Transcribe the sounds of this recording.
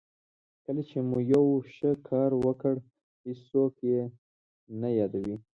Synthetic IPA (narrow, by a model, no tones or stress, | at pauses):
kəlat͡ʃemujawʃəkʰɑɾwəkəɽ | hɪsokje | najɑd̪awi